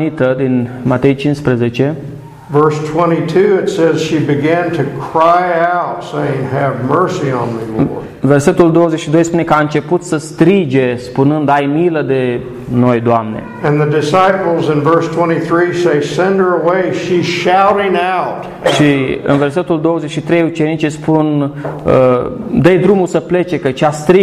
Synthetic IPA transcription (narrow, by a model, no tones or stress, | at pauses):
it̪əd̪inmat̪e̞jt͡ʃinspɾeze̞t͡ʃe̞ | vɜ˞stʰw̥ɛ̃ɾ̃itʰʉɪtsɛz̥ʃibɨɡæ̃ntʰɨkʰɹ̥aɪaʊtseɪɪ̃ŋɨvmɜ˞siə̃nmil̰ | ve̞rse̞t̪uld̪oozeʃid̪o̞jspune̞kəaɨnt͡ʃe̞put̪səst̪ɾid͡ʒe̞spunɨnd̪ajmiləd̪e̞ | nojd̪oamnḛ | ɨ̃nðɨdɨsaɪpl̩ˠzɨ̃nvɜ˞stʰw̥ɛ̃ɾ̃iθɹiseɪsɛ̃ndə˞əweɪʃiz̥ʃaʊɾɪ̃ŋaʊt | ʃiɨ̰nve̞rse̞t̪uld̪o̞wozeʃit̪ɾejut͡ʃe̞nit͡ʃespunəd̪əjd̪ɾumusəple̞t͡ʃe̞kət͡ʃast̪ɾi